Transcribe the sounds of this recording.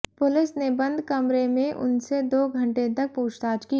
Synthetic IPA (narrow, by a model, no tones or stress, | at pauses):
pʊlɪsnebɐ̃nd̪kɐmɾemẽʔʊ̰nsed̪oːɡʱɐ̃ɳʈet̪ɐk̚puːt͡ʃʰt̪aːt͡ʃki